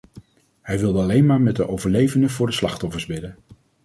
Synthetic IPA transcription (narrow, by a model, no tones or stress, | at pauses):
ɦɛjʋɪlˠdəɑlejnmaːɹmɛt̚dəʔowvəɹlejvəndəvʊːɹdəslɑχtɔfəɹzbɪdən